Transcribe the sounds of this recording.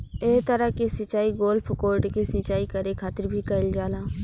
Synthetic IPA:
eːt̪əɾakisɪt͡ʃaːiɡoːlpʰkoːɾʈkisɪ̃t͡ʃaːikɐɾekʰaːt̪ɪɾbʱikɐld͡ʒaːlaː

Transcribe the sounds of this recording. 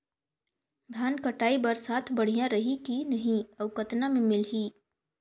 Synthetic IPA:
ɡʱaːnkəʈaːibəɾsaːt̪ʰbɐɽ̤ijãɾəɦikinɐɦĩɐʋkət̪namẽmɪlɦiː

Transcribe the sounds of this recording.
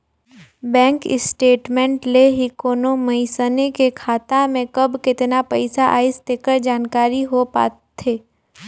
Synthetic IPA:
bɛ̃ːŋkɪsʈeːʈmɛ̃ɳʈleɦikoːnomɐɪsənekekʰaːt̪amẽkɐbkɪt̪napɐɪsaʔa̰ːɪst̪eːkəɾd͡ʒaːnkaːɾiɦopa̰ː | t̪ʰeː

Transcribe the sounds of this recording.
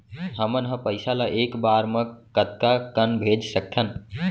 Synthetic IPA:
ɦəmənɦə̃pəɪsalaʔeːkbaɾmə̃kət̪̚kakənbʱed͡ʒsək̚t̪ʰən

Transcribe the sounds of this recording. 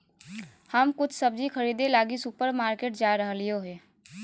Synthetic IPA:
həmkʊt͡ʃʰsəb̚d͡ʒikʰəɾiːd̪elaːɡisʊpəɾmaːɾkeːʈd͡ʒaːɾəɦlioɦɛː

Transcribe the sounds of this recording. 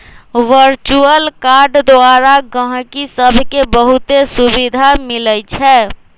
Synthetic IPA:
ʋəɾt͡ʃuəlkaɾɖd̪oaɾaɡə̃ɦkisəbʱkebəɦut̪esubid̪ʱamilət͡ʃʰɛ

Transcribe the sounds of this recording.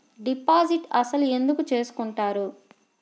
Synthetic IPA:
ɖipaːziʈɐsɐlue̞nd̪ukut͡ʃe̞ːsu̥kuɳʈaːɾu

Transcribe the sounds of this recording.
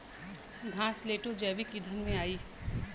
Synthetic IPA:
ɡʱãːsleːʈod͡ʒɛːʋikid̪ʱənmẽaːiː

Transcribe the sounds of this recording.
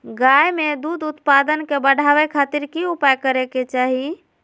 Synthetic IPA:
ɡajmed̪ud̪ut̪pad̪ənkebəɽ̤ʱaʋɛkʰat̪iɾkiupajkəɾɛket͡ʃaɦi

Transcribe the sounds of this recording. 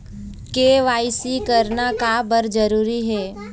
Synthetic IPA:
keːʋaːɪsikəɾnakabəɾd͡ʒəɾuːɾiɦɛː

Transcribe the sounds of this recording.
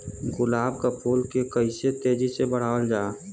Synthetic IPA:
ɡʊlaːbkapʰoːlkekəɪset̪eːd͡ʒisebəɽ̤aːwəld͡ʒaː

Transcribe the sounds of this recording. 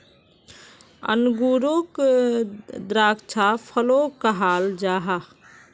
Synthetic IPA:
ə̰nɡuːɾok | d̪ɾaːkt͡ʃʰapʰəlokəɦaːld͡ʒaːɦa

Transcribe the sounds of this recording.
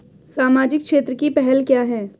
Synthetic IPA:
saːmaːd͡ʒɪkkʃeːt̪ɾəkipɛɦɛlkjaːɦɛː

